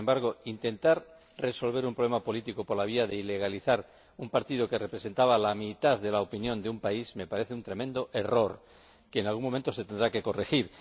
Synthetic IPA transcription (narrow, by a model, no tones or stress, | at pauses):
embaɾɣ̞o̞int̪e̞nt̪aɾ | re̞so̞lβ̞e̞ɾumpɾolemapo̞lit̪ikopoɾlaβ̞iaðe̞ile̞ɣ̞aliθaɾ | umpaɾt̪iðoke̞re̞pɾe̞se̞nt̪aβalamit̪aððe̞laopinjo̞nd̪eumpaizme̞paɾe̞θeunt̪ɾe̞mẽnd̪o̞ʔe̞ro̞ɾ | keːnalɣuŋmo̞mẽnt̪o̞se̞t̪end̪ɾake̞ko̞rexiɾ